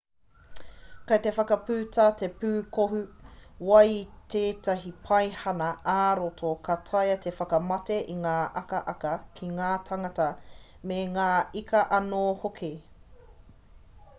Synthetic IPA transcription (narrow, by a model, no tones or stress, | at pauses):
kɐjtefɐkɐpʉːtʰaːtepʉːkoɦʉwɐjteːtʰɐɦipʰɐjhɐnɐaːɾotʰokʰɐtʰɐjɐtʰefɐkɐmɐteʔiŋaːʔɐkɐʔɐkɐkʰiŋaːtʰɐŋɐtɐ | meŋaːikɐʔɐnoːhokʰe